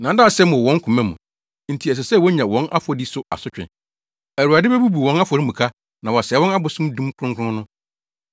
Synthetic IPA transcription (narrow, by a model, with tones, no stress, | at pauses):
nã˨˦dã˦˨sɛ˦mʊ˨wɔ̃˨˦ŋ̩˦kʰũ˨mæ̃˦mṵ̃˨ | n̩˨tʰi˨ɛ˨s̬ɛ˨sɛ˦˨wɔ˦ɲã˨wɔ̃˦nʔa̰˦fɔ˨di˦sʊ˦a̰˨sʊ˦t͡ɕᶣɪ̰˨ | æ˨ɾu˨a˨dɪ˦bɛ˦bu˦bu˨wɔ̃˦na˦fɔ˨ɾɪ˦mũ˨kʰa˦ | nã˨wɔ˨sɛ˨˦wɔ̃˦na˦bʊ˨sʊ̃˦m˦dũ˦m˦kʰʊ˦ʊ̃˦ŋ˦kʰʊ˦ʊ̃˦nʊ̃˦